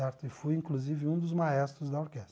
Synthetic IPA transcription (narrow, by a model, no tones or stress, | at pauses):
ɛɾt̪ʊɪfujĩŋkluzivɪũd̪ʊzmaɛst̪ɾʊzd̪ɐoɾkɛst̪